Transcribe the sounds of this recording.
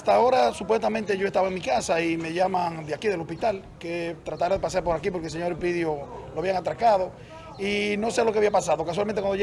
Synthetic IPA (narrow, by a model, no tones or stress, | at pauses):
st̪ao̞ɾasupwest̪amẽnt̪e̞ʝo̞est̪aβaeŋmikasaime̞ʝamãŋd̪eakiðe̞lo̞spit̪al | ket̪ɾat̪aɾaðe̞pas̬aɾpo̞ɾakip̬o̞ɾkelseɲo̞ɾepiðjoloaβjeaŋat̪ɾakaðo̞ | ino̞selo̞keaβiapasaðo̞kas̬walmẽnewand̪oe